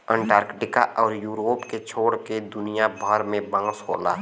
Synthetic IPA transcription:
ə̃ɳʈaːɾkʈɪkaʔɔːɾjuːɾoːpket͡ʃʰoːɽked̪ʊnɪjabʱɔːɾmẽbə̃ŋɡsɦo̰ːla̰ː

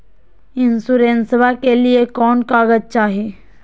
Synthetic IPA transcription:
ɪnsuɾensbakeliekɔːnkaːɡəd͡ʒ̚t͡ʃaːɦieː

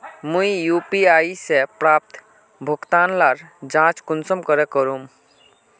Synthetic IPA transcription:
muijupiaisepɾaːp̚t̪ | bʱəkt̪aːnlaɾd͡ʒãt͡ʃkʊnsəmkəɾekəɾum

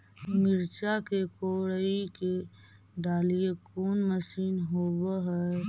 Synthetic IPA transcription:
mɪɾt͡ʃakekoːɽəike | ɖaːlijekoːnməsiːnɦoːbəɦɛ

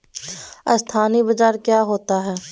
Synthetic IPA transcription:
ɐst̪ʰaːnibəd͡ʒaːɾkjaːɦoːt̪aɦɛː

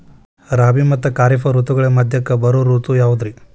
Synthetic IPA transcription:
ɾaːbimɐt̪ːukaːɾipʰɐɾut̪uɡɐɭemɐd̪ʱjɐkːɐbɐɾuɾut̪ujaːʋud̪ɾi

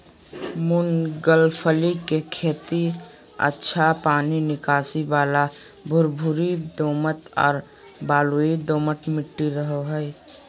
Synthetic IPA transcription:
munɡəlpʰəlikekʰeːt̪i | ə̰tːʃʰapaːninɪkaːsibaːla | bʱʊɾbʱuɾid̪oːmət̪ɔ̰ːɾ | baːluid̪oːmət̪mɪʈːiɾəɦoɦəɛ

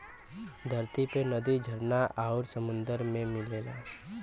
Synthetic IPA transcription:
d̪ʱəɾt̪ipenəd̪id͡ʒʱəɾnaʔaːɾsəmʊ̃nd̪əɾmẽmɪleːla̰ː

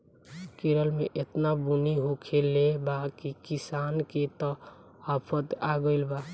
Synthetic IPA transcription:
keɾəlmeʔet̪nabuniɦokʰelebakikisanket̪ɔ | apʰət̪aɡəɪlba

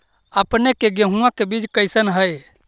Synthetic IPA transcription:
əpnekeɡəɦũãkebid͡ʒkəjsənɦəj

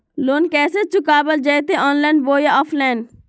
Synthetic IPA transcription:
loːnkɛːset͡ʃʊkaːbəld͡ʒɛːt̪eʔɔːnlɛ̃ːnɖʋoːjaɔːfʰlɛ̃ːɳɖ

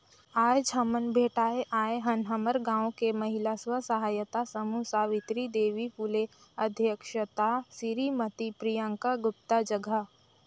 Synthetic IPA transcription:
aːjd͡ʒʱɦɐmənbʱeːʈaːeʔaːeɦɐnɦəməɾɡãːwkemɐɦɪlaswəsəɦaːjət̪asɐmusaːʋɪt̪ɾid̪eːʋifule | ɐd̪ʱjəkʃət̪asiɾimət̪ipɾijə̃ŋkaɡʊp̚t̪ad͡ʒɐɡʱə

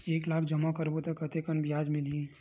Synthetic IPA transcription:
eːklaːkʰd͡ʒɐmakəɾbot̪ɐkɐt̪ekənbijaːd͡ʒmɪlĩ

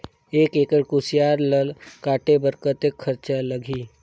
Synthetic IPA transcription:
eːkeːkəɽkʊsɪjaːɾləlkaːʈebəɾkət̪ekʰːəɾt͡ʃaləɡʱiː

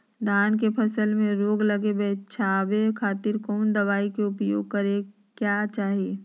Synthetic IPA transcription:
d̪ʱaːnkepʰəsəlmẽɾoːɡlɐɡebɛːt͡ʃʰaːbekʰaːt̪ɪɾkɔːnd̪ɐʋaːikeʊpjo̰ːɡ̚kəɾe | kjaːt͡ʃaːɦieː

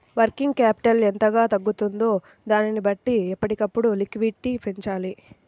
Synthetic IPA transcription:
ʋɐɾkiŋɡkaːpi̥ʈɐlɛnt̪ɐɡaːt̪ɐɡːut̪und̪o̞ː | d̪aːninibɐʈːiɛpːɐʈikɐpːuɽulikʋiɖ̚ʈiːpiɲt͡ʃaːli

